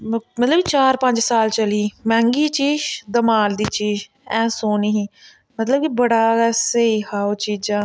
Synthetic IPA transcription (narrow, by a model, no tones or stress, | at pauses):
mət̪ləbt͡ʃaːɾpə̃ɲd͡ʒsaːlt͡ʃəliːmɛ̃ːŋɡiːt͡ʃiːʃd̪əmaːld̪iːt͡ʃiːd͡ʒ | ɛ̃ːsoːniːɦiː | mət̪ləb̚kibəɽaːɛːseihaːoːt͡ʃiːd͡ʒãː